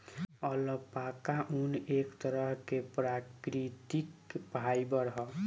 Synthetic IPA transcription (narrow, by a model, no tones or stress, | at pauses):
ʌləpakaʔunekt̪ʌɾʌɦkepɾakɾit̪ikpajbʌɾɦʌ